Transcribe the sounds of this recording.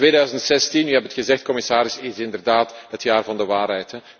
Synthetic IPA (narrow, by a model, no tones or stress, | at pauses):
tʋeːdœɥzəntsɛstinyɦɛbətxəzɛxt̚kɔmɪsaːɾɪsɪzɪndərdaːtɦətjaːrvɑndəʋaːrɦɛjtɛ